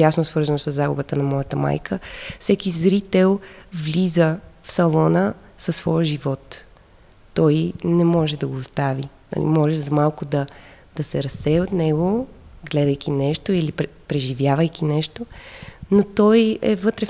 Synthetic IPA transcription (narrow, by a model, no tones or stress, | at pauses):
jasnosvɤɾzənosəzːaɡʊ̰bət̪ənɐmɔjət̪əma̰jkʰəfsɛkizɾit̪ɛlˠvlʲizəfsɐlˠɔnə | sɐsːvɔjəʒivɔt̪ː | ɔjnɛmɔʒɛd̪ɐɡoːst̪avinɐ̰lḭmɔʒɛzɐmalˠkʊd̪ɐ | d̪̥ɐsɛɾɐsɛjɛot̪nɛɡoɡlɛd̪əjk̟ʰʲinɛʃt̪oilipɾpɾɛʒivjavəjkʲinɛʃt̪onot̪ɔjɛ̰vɤt̪ɾɛ